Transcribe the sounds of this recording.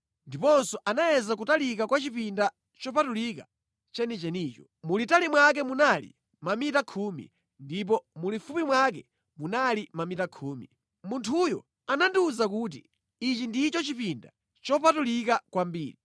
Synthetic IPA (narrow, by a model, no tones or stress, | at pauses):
ndipɔnsɔʔanajɛzak̬utalikakwat͡ʃipinda | t͡ʃɔpatulika | t͡ʃɛnit͡ʃɛniːt͡ʃɔ | mulitalimwak̬ɛmunalḭ | mamitakʰumḭ | ndip̬ɔmulifupimwak̬ɛ | munalimamitakʰuːmḭ | muntʰujɔ̰ | anandiuzakuːt̬ḭ | it͡ʃindit͡ʃɔt͡ʃipinda̰ | t͡ʃɔpatulikakwambḭːɾi